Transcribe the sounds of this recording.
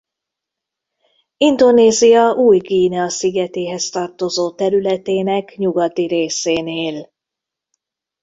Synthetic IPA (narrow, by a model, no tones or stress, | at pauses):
ind̪o̞neːzijɒʔuːjɡiːnɛɒsiɡɛt̪eːɦɛst̪ɒrt̪o̞zoːt̪ɛɾylɛt̪eːnɛkɲuɡɒt̪iɾeːseːneːl